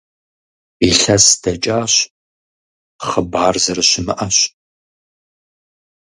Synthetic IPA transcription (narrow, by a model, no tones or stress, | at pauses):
iɬɐsd̥ɐt͡ʃʼaːɕ | χəbaːrzɐrɨɕɪmɨʔɐɕ